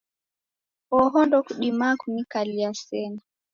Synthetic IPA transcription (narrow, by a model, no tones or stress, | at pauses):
ɔɦɔndɔkuɗimakunikaliasɛna